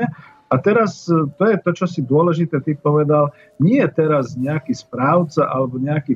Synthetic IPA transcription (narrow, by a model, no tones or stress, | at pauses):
ɛ | at̪ɛɾast̪ɔjɛt̪ɔt͡ʃɔsid̪ʊɔlɛʒit̪ɛːt̪ipɔʋɛd̪al | ɲɪɛɛt̪ɛɾazɲɛakiːspɾaːʊt͡saʔalɛbɔɲɛakiː